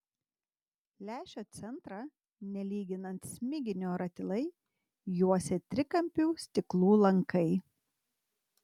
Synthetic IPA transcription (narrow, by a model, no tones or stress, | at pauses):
lʲæːʃʲoːt̪sʲɛnˑt̪ɾɑ | nʲɛlʲiːɡʲɪnɐnt̪sʲmʲɪɡʲɪnʲoːɾɐt̪ʲɪlˠɐɪ | juɔsʲɛt̪ʲɾʲɪkɐmʲpʲuːsʲt̪ʲɪklˠuːlˠɐŋkɐɪ